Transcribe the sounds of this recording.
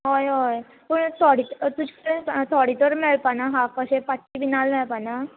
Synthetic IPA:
ɦojɦoj | pəɳt̪ʰoɽit̪t̪ud͡ʑi̥kəɾẽt̪ʰoɽit̪əɾmeɭpanaɦãpəɕepaʈːiʋinalmeɭpana

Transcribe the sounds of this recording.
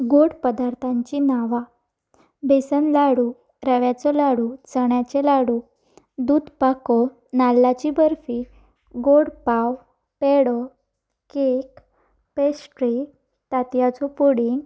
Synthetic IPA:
ɡoɽpəd̪aɾt̪ʰãɲt͡ɕinaʋa | besənlaɽu | ɾəʋjat͡sɔlaɽut͡səɳjat͡ɕelaɽuː | d̪uːd̪pakɔ | nalːat͡ɕibəɾfi | ɡoɽpaw | pɛɽɔ | kek | pesʈɾi | t̪at̪jat͡sɔpuɽiŋɡ

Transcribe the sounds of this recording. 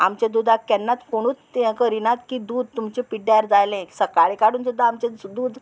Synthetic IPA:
amt͡ɕẽd̪uːd̪ʱakɛnːat̪koɽ̃uːt̪ːãkəɾinat̪kid̪uːd̪̚t̪umt͡ɕepiɖjaɾd͡zajlẽsəkaɭikaɽuːnsud̪ʱːaːmt͡ɕed̪uːd̪

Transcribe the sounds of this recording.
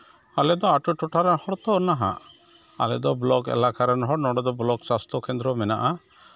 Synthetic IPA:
alɛd̪ɔaʈuʈuʈaɾɛhɔɽt̪ɔnaɦa̰ʔ | a̰lɛd̪ɔblɔɡɛ̰lakaɾɛnɦɔɽnɔɽɔd̪ɔblɔɡsast̪ʰɔkɛnd̪ɾɔmɛna̰ʔa

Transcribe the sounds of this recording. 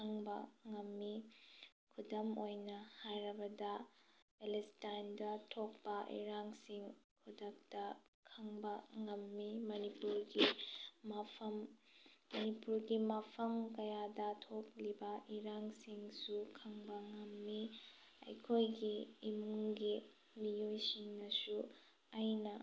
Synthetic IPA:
kʰɐŋbɐ̰ŋɐmːi | kʰudɐmojnɐhajɾɐbɐdɐpelestajndɐtʰok̚pɐʔḭɾaŋsiŋkʰudɐk̚tɐkʰɐŋbɐŋɐmːimɐnipuɾɡimɐpʰɐmː | ɐnipuɾɡimɐpʰɐmkɐjadɐtʰok̚libɐʔiɾaŋsiŋsukʰɐŋbɐŋɐmːi | ɐ̰jkʰojɡiːmuŋɡi | mijojsiŋnɐsu | ajnɐ

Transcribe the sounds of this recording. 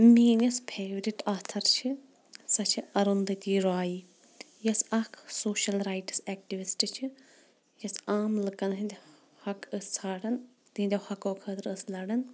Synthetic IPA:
miːnɐspʰeːʋɾiʈaːt̪ʰɐɾt͡ʃʰi | sɐt͡ʃʰiɐɾund̪ɨt̪ʲiːɾaːji | jɐsɐkʰsoːʃɐlɾaːjʈsɛːk̚ʈiʋisʈɨt͡ʃʰi | jɐsaːmlɨkɐnɦid̪ʲ | hɐkəssaːɽɐn | t̪ind̪ʲɐhɐkoːkʰət̪ɾəslɐɽɐn

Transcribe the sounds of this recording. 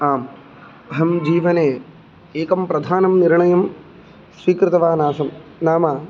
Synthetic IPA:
aːm | ɐɦɐmd͡ʒiːʋɐneː | eːkɐmpɾɐd̪ʱaːnɐmniɾɳɐjɐm | sʋiːkɾɪt̪ɐʋaːnaːsɐmnaːmaː

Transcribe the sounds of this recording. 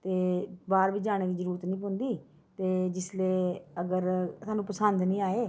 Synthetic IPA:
t̪eːbaːɾbiːd͡ʒaːɽ̃eːd̪iːzəɾuːɾət̪nĩːpond̪iː | t̪eːd͡ʒɪsleːəɡəɾsaːnũːpəsənd̪nĩːaːeː

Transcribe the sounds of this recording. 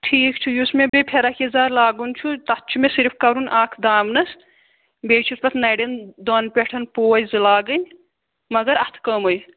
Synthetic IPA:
ʈʰiːkt͡ʃʰujusmebepʰeɾakizaːɾlaːɡunt͡ʃʰut̪ɐt̪̚t͡ʃʰumesiɾpʰkɐɾunʔaːkʰd̪aːmnɐs | beːt͡ʃʰuspɐt̪ʰnɐjɖend̪oːnpʲeʈʰɐnpoːjzɨlaːɡɨnʲ | mɐɡɐɾɐt̪ʰkəːmoj

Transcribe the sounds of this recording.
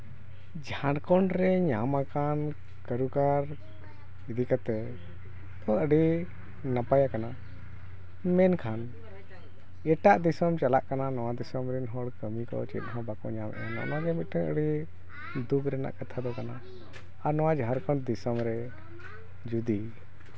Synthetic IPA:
d͡ʒaɾkɔɳɾɛɲamakan | kəɾukaɾ | id̪ikat̪ɛ | t̪ɔəɽi | napajakana | mɛnkʰan | ɛʈaʔd̪isɔmt͡ʃalaʔkananɔwad̪isɔmɾinɦɔɽkəmikɔ̰t͡ʃḭt̪̚ˀɦɔ̃bakɔ̰ɲamʔɛ̰ana̰ʔnaɡɛmit̪̚ˀʈɛəɽi | d̪ukʰɾɛna̰ʔkat̪ʰad̪ɔkana | aɾnɔw̃ad͡ʒãɾkɔɳd̪isɔmɾɛ | d͡ʒud̪i

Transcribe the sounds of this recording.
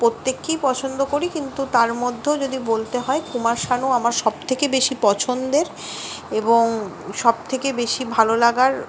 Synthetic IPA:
pot̪ːekːijpɔt͡ɕʰond̪okoɾikint̪ut̪aɾmod̪ʱːed͡ʑod̪ibolt̪eɦɔekumaɾʃanuamaɾʃɔb̚t̪ʰekebeʃipɔt͡ɕʰond̪eɾ | eboŋ | ʃɔb̚t̪ʰekebeʃibʱalolaɡaɾ

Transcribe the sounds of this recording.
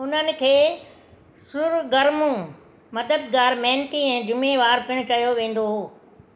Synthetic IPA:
ʊn̤ənɪ̆kʰeː | sʊɾɡɐɾmũ | mɐd̪əd̪̚ɡaːɾmɛ̃ɦːnt̪iɛ̃ːd͡ʑʊmeʋaːɾpɪɽ̃ʊkɐjoʋẽːn̆d̪oɦoː

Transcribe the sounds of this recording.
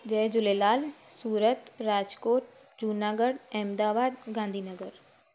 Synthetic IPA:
d͡ʒɛːd͡ʒʊlelaːlsuːɾət̪ɾaːd͡ʒkoːʈ | d͡ʒunaːɡəɽɛːmd̪aːbaːd̪ɡãːnd̪ʱiːnəɡəɾ

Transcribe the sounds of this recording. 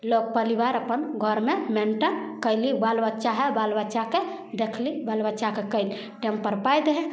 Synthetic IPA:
lok̚pəlibaɾəpənɡʱɔɾmemenʈənkəjlibalbətːʃaɦɛbalbətːʃake | d̪ekʰlibalbətːt͡ʃakekəjli | ʈempəɾpajd̪ɦɛ̃

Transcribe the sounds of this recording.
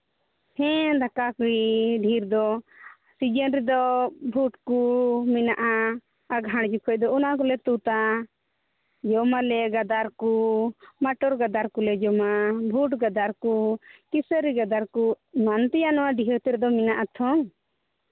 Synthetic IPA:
hɛ̃d̪akakiɖʱiɾd̪ɔ | sid͡ʒənɾid̪ɔbʱuʈkumɛnaʔa | aɡʱaɽd͡ʒukʰɔc̚d̪ɔunaʔak̬ɔlɛt̪ut̪a | d͡ʒɔmalɛɡad̪aɾkumaʈɔɾɡad̪aɾkulɛd͡ʒɔmabʱuʈɡad̪aɾkukisəɾiɡad̪aɾku | mant̪ɛjanɔwaɖʱiɦət̪ɛɾd̪ɔminaʔat̪ʰɔŋ

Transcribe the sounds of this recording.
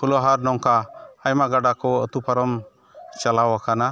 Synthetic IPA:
pʰulɔɦaɾnɔŋkaːjmaɡaɖakɔə̰t̪upaɾɔm | t͡ʃalawakana

